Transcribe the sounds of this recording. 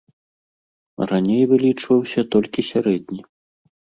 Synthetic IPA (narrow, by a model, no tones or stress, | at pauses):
ranʲejvɨlʲit͡ʂvɐwsʲɐt̪ɔlʲkʲisʲaɾɛd̪ʲnʲi